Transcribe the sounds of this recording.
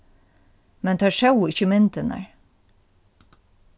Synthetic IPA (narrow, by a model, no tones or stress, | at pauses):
mɛnt̪ʰæːʃɑʊɪçəmɪnt̪ənə̰ɹ